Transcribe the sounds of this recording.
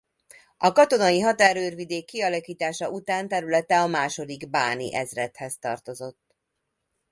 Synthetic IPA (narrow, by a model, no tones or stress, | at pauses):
ɒkɒt̪o̞nɒjiɦɒt̪aːɾøːrvid̪eːkːiɒlɒkiːt̪aːʃɒʔut̪aːnt̪ɛɾylɛt̪ɛɒmaːʃo̞d̪iɡbaːnḭʔɛzrɛt̪hɛzt̪ɒ̰rt̪o̞zo̞t̪ː